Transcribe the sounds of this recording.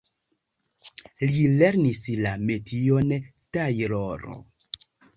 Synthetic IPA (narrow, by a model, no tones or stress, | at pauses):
lileɾnislametʰion | tajɾoɾo̰